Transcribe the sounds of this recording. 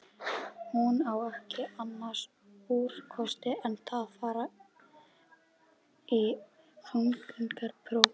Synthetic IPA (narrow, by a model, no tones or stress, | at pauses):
hunawɛhcɪanːḁs | uːɾ̥kʰɔst̪ɪɛnt̪ʰaːfaːɾa | i | faŋkiŋkaɾpʰɾow